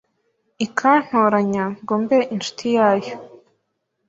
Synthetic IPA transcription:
ikʰan̥hoːɾaɲaŋɡoːmbeʔinʃu̥tʰijaːjo

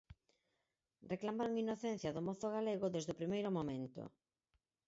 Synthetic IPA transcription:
reklamaɾoŋinoθen̟θjɐðomɔθoɣ̞aleɣ̞ʊðezðʊpɾimejɾʊmomẽnt̪o̰

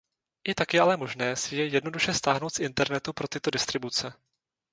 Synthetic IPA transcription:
ʔɪt̪akjɛʔalɛmo̞ʒnɛːsɪjɛjɛdno̞duʃɛst̪aːɦno̞wt̪fʔɪnt̪ɛɾnɛt̪upɾo̞t̪ɪt̪o̞dɪst̪ɾɪbut͡sɛ

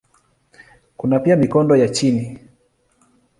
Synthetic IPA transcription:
kunapiamikɔndɔjat͡ʃini

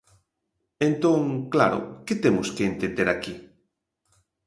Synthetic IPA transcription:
ent̪õŋkla̰ɾʊ̰ket̪emʊskeːnt̪ẽnd̪eɾaki

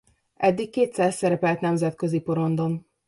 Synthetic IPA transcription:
ɛd̪ːikːeːt̪saːsːɛɾɛpɛlt̪nɛmzɛt̪kø̞zipo̞ɾo̞nd̪on

